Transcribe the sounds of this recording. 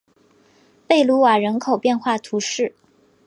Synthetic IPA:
pe˥˩ɪlu˧˥wa˨˩ɻə˧˥nkʰo˨˩ʊpjɛ˥˧nxwa˥˩t̪ʰu˧˥ʂɻ̩˥˩

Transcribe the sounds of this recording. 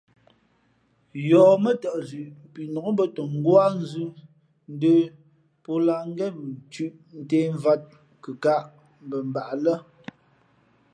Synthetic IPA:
jɔː˨mə˦tə˨ʔzʉ˨ʔpi˨nɔ˨˦bə˦tɔ˨ŋ̩˦ɡwa˦n̩˦zʉ˦ | n̩˦də˦ | pɔ˦la˨ŋ˦ɡɛ˦˨t͡ʃʉ˦ʔn̩˦teː˦ɱ˦va˦t̚ | kə˨ka˦˨ʔ | m˨bə˨m̩˨ba˨ʔlə˦

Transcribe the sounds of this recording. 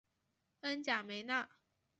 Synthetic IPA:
ə˥nt͡ɕja˨˩me˨˧˦ɪna˥˨

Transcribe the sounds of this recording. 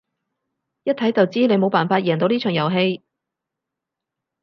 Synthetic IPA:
jɐ˥t̚t̪ʰɐ˨˥jt͡sɐ˨wt͡siː˥ne˨˧jmo˨˧wpaː˨˩nfaː˧t̚jɛː˨˩ŋt̪o˨˧wniː˥t͡ʃʰœː˨˩ŋjɐ˨˩wɦe˧j

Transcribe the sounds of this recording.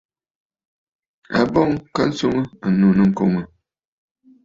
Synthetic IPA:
a̰˨bɔ˦ŋka˦n̩˦so˦ŋə˦a˨nu˨nɨ˨ŋ̩˨ko˨ŋə˨

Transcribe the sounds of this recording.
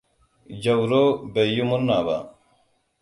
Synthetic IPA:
d͡ʒɐ˨wɾo˦be˨ju˦mu˦nːaː˨ba̰˨

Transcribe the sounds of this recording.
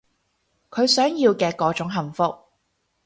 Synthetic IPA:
kʰɵ˨˧ɥsœː˨˥ŋjiː˧wkɛː˧kɔː˨˥t͡ʃʊ˨˥ŋɦɐ˨˩mfʊ˧k̚

